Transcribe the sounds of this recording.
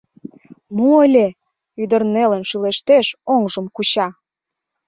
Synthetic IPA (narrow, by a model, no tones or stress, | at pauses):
moəlʲe | yd̪ərnelənʃyleʃt̪eʃoŋʒəmkut͡ɕɑ